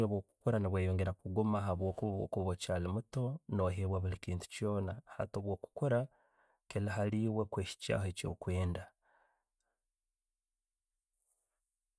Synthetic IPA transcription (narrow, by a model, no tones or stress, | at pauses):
oβwoːku̥koɾaniβweːjoːŋɡe̞ɾakuɡomaɦaβwo̞ːkuβuβo̰kuβuβocaːlimuto̞no̞ɦeβwaβulikiːntu̥cjo̞ːnaha̰toːβwo̞ːku̥koɾa | kelaɦaliːwekweːʃi̥ca̰ːhoeco̰ːkwe̞ːnda